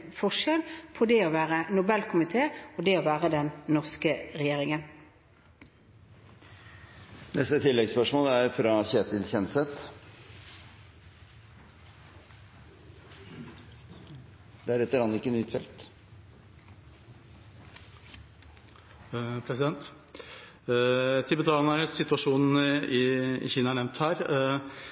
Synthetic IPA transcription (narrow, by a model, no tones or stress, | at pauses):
fɔʂɛlpʰɔd̪ɛoːʋæːʁənʊbɛlkʰʊmɪt̪ʰeːod̪ɛoːʋæːʁəd̪ɛnnɔʁskəʁɛjeːʁɪŋən | nɛst̪ət̪ʰɪlːɛɡspœʂmoːlæɾfɾɑçeːt̪ɪlçɛnsɛt̪ | d̪̥ɛæɾɛt̪ːəɾɑnɪkːənyːt̪fɛ̰lt̪ | pʰɾɛsɪd̪ɛnt̪ | t̪ʰɪbɛt̪ʰɑːnəɾəsɪt̪ʉɑʂuːnn̩ɪɪ̰çiːnɑæɳɛʋnt̪hæːɾ